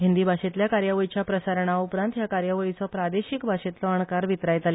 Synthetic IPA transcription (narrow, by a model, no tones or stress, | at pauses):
ɦind̪ibʱaɕet̪ljakaɾjaʋəit͡ɕjapɾəsaɾəɳ̃aupɾãnt̪jakaɾjaʋəit͡sɔpɾad̪eɕikbʱaɕet̪lɔəɳkaɾʋit̪ɾajt̪ale